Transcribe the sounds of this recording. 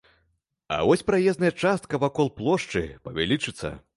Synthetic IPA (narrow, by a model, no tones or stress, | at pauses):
ɐ̰vɔsʲpɾajɛznɐjɐt͡ʂast̪̚kɐvakɔlˠplˠɔʂt͡ʂɨ̰pɐvʲa̰lʲit͡ʂɨt̪sːɐ̰